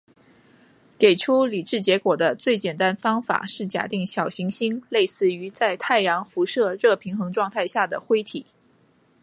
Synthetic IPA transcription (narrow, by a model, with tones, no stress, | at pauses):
ke˨˩ɪʈ͡ʂʰu˥li˨˩ʈ͡ʂɻ̩˥˩t͡ɕjɛ˧˥kwɔ˨˩d̪ə˦t͡swe˥˩ɪt͡ɕjɛ˨˩nt̪a˥nfɑ˥ŋfa̰˨˩ʂɻ̩˥˩t͡ɕja̰˨˩t̪i˥˩ŋɕjɑ˨˩ʊɕi˧˥ŋɕi˥ŋle˥˧ɪsɹ̩˥˩y˧˥t͡sa˥˧ɪt̪ʰa˥˩ɪjɑ˧˥ŋfu˧˥ʂɤ˥˧ɻɤ˥˩pʰi˧˥ŋxɤ˧˥ŋʈ͡ʂwɑ˥˧ŋt̪ʰa˥˧ɪɕja˥˩d̪ə˩xwe˥ɪt̪ʰi˨˩˦